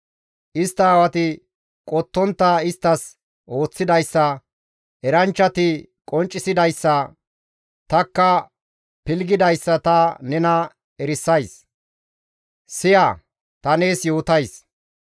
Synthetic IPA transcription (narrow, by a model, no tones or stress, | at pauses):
ʔɪst̪ːɐːwɐt̪ɪ | kʼɔt̪ːɔnt̪ːɐɪst̪ːɐs | o̞ːt͡sːɪd̪ɐjsːɐ | ɛɾɐnt͡ʃːɐt̪ɪ | kʼɔnt͡ʃʼːɪsɪd̪ɐjsːɐ | t̪ɐkːɐ | pɪlɡɪd̪ɐjsːɐt̪ɐnɛnɐ | ɛɾɪsːɐjs | sɪjaː | t̪ɐneːsjo̞ːt̪ɐjs